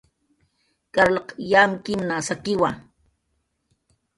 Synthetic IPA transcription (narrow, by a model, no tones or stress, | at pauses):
kaɾlaqjamkɪmnasakɪwa